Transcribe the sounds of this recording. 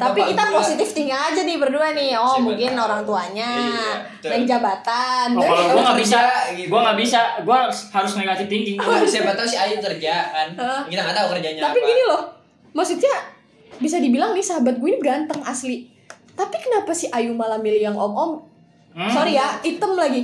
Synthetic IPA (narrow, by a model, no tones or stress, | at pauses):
t̪apikit̪aposit̪ɪft̪iŋɡaŋad͡ʒanɪbərduanɪhɔmuŋkɪnoɾaŋt̪uaɲa | aŋd͡ʒabat̪anlɡuaŋɡabisaɡuaŋɡabisaɡuashaɾʊsməikat̪ɪft̪iŋɡɪŋasabat̪ausɪajukərd͡ʒaʔanəʔəkit̪aŋɡat̪aukərd͡ʒaɲat̪apiɡinilɔh | maksut̪̚ɲa | bis̬adibilaŋnɪhsaɦabat̪̚ɡuainiɡant̪əŋasli | t̪apikənapasɪhajumalamilijaŋʔɔŋɔŋ | soɾijait̪əmlaɡi